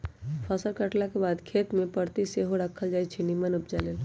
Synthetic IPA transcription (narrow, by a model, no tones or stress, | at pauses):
pʰəsəɾkəʈlakebad̪kʰet̪mepəɽt̪iseɦoɾakʰəld͡ʒajt͡ʃʰinimənupd͡ʒalel